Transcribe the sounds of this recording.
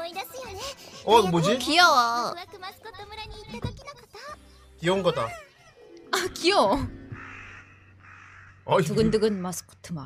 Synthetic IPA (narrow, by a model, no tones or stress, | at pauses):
ʌbod͡ʑikiʌ | kioŋɡʌda | akio | atuɡɯndɯɡɯnmasɯ̥kʰɯ̥tʰɯma̰